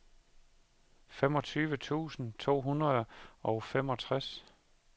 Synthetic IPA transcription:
femɒ̽t͡sʰyːʋət͡sʰṵːsn̩t͡sʰo̝̰ːɦunʁɐðˠʔɒ̽ʊfem̰ɒ̽t͡sʰʁas

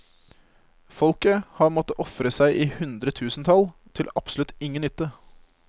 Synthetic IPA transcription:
fɔlkəhɑːmɔt̪ːəʔɔfɾəsæɪʔiːhʉnd̪ɾət̪ʰʉːsn̩t̪ʰɑlt̪ʰɪlɑpsəlʉt̪ɪŋənʏt̪ːə

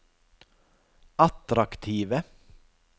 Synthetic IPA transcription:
ɑt̪ɾɑkt̪ʰiːʋə

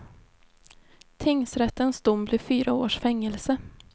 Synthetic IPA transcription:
t̪ʰɪŋsɾɛt̪ːənsd̪ʊmːblɪfyːɾaoːʂfɛŋːəlsə

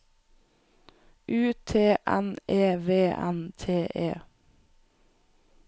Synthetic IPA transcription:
ʔʉːt̪ʰeːʔɛ̰nʔeːʋeːʔæ̰nt̪ʰeːʔeː

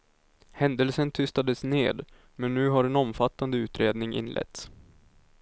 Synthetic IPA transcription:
hɛnd̪əlsənt̪ʰʏst̪ad̪əsnḛːd̪ | mɛnːʉ̟ːɦaɾɛnɔmfat̪ːand̪əʉ̟ːt̪ɾeːd̪nɪŋʔɪ̰nlʔɛ̰t̪s

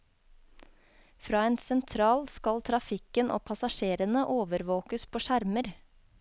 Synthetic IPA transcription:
fɾɑːeːnsɛnt̪ʰɾɑːlskɑlt̪ʰɾɑfɪkənʔo̰ːpʰɑsɑʃeːɾənəʔoːʋəɾʋoːkəspʰoːʃæɾməɾ

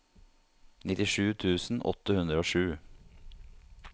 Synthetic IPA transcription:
nɪt̪ɪʂʉːt̪ʰʉːsn̩ʔɔ̰t̪ːəhʉnd̪ɾəoːʂʉː

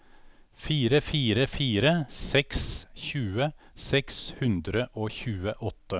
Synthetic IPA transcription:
fiːɾəfiːɾəfiːɾəsɛksçʉːə | sɛkshʉnd̪ɾəʔoːçʉːəʔɔt̪ːə

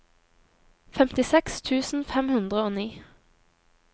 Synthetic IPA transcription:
fɛmt̪ɪsɛkst̪ʰʉːsn̩fɛmhʉnd̪ʁəoːniː

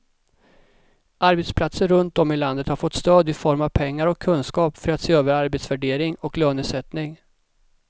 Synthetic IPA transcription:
aɾbɛt̪spʰlat̪səɾɵnt̪̚ɔmːɪland̪ət̪haɾfɔt̪st̪øːd̪ɪfɔɾmavpʰɛŋːaɾɔkʰːɵnskɑːpfœɾat̪seːøːvəɾaɾbɛt̪svæɖeːɾɪŋɔkløːnʉsɛt̪nɪŋ

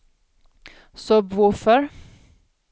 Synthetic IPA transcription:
sɔbvʊɾfœɾ

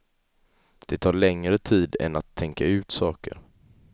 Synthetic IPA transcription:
d̪̥ɛt̪ʰɑːɾɭɛŋɾət̪ʰiːd̪ɛ̰nat̪ʰːɛŋkaʉ̟ːt̪sɑːkə̰ɾ

